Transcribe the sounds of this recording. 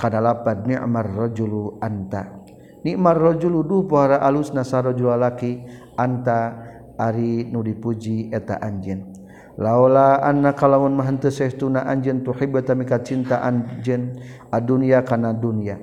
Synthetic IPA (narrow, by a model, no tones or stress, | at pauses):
kanalapad̚niʔmarːɔd͡ʒuluant̪a̰ | niʔmarːɔd͡ʒuluduhpoɦaɾaʔalusnasaɾɔd͡ʒulalaki | ant̪aː | ɾinudipud͡ʒiɛt̪a̰ʔaɲd͡ʒɛn | laolaanːakalamunmaɦənt̪əsɛht̪unaʔaɲd͡ʒənt̪uħibɛt̪amikat͡ʃint̪aʔaɲd͡ʒənaduniakanadunia